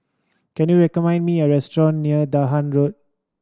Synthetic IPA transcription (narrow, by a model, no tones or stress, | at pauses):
kɛ̃njuɹɛkɔmãɪ̃ndmiəɹɛstɹɔ̃nːiədaɦãnɹot̚